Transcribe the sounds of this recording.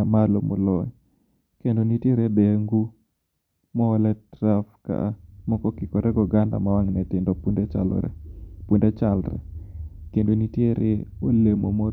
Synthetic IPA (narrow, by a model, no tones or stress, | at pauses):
amalomo̰lɔɲ | kendonitjeɾebeŋɡu | mɔːlɛtɾafka̰mɔkɔkɪkɔɾʔɛɡɔɡanda̰mawaŋnɛtɪndɔpundɛt͡ʃa̰l̰ɾɛ̰pundɛt͡ʃalɾɛ̰kendonitjeɾʔeolemo̰mo